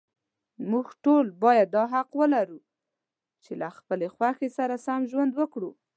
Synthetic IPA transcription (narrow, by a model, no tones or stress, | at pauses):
muɡʈolbɑjad̪ːɑɦaqwəlaɾu | t͡ʃelaxpəlexwaxesaɾasamʒwand̪wəkɽu